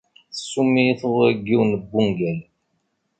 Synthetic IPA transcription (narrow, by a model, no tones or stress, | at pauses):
θə̥sːumiθəðˤəɡːiwnəbːuŋɡæl